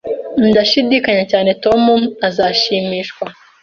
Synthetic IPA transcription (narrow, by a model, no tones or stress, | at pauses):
n̩daʃidiːkaɲacaːne̞to̞mumazaːʃiːmiːʃkwa